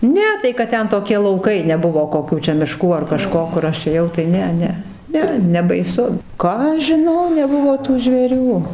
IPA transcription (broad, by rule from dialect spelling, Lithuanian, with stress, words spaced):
ˈnʲɛ tɐɪ kɐt ˈtʲɛn toːˈkʲɪ lˠɐʊˈkɐɪ nʲɛˈbʊʋoː koːˈkʲuː t͡ʃʲɛ mʲɪˈʃkuː ɐr kɐˈʃkoː kʊr ˈɐʃ eːˈjɛʊ ˈtɐɪ ˈnʲɛ ˈnʲɛ ˈnʲɛ nʲɛbɐɪˈsʊ ˈkɑː ɐʃ ʒʲɪˈnɐʊ nʲɛˈbʊʋoː tuː ʒʲʋʲeːˈrʲuː